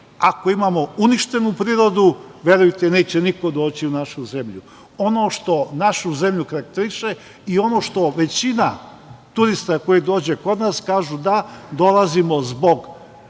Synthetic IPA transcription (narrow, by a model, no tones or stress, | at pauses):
ako̞imamo̞uniʃt̪e̞nupɾiːɾo̞d̪uʋje̞ɾujt̪ene̞ːt͡ɕeniko̞d̪o̞ːt͡ɕiunaʃuze̞mʎu | o̞no̞ʃt̪o̞naʃuze̞mʎukaɾak̚t̪eɾiʃe | io̞no̞ːʃt̪o̞ʋe̞t͡ɕina | t̪uɾist̪ako̞jid̪o̞ːd͡ʑeko̞d̪naskaːʒud̪ad̪o̞lazimo̞zbo̞ɡ